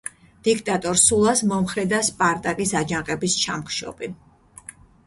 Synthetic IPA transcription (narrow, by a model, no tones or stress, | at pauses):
d̪̥ikʰt̪ʼat̪ʼɔɾsulˠasmɔmχɾɛd̪aspʼaɾt̪ʼakʼisad͡ʒaqʼɛbist͡ʃʰamkʰʃɔ̰bi